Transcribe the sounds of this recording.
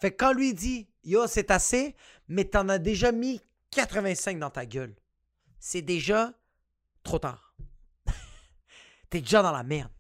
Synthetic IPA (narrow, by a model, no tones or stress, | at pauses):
fɛkːɑ̃lɥid̪i | josɛt̪ase | mɛt̪yɑ̃nad̪eʒami | kʲat̪χəvɛ̃sɛ̃k̚d̪ɑ̃t̪aɡʲœl | sɛd̪eʒa | t̪χot̪a̰ːʁ | t̪yɛd̪eʒad̪ɑ̃la̰mɛʁn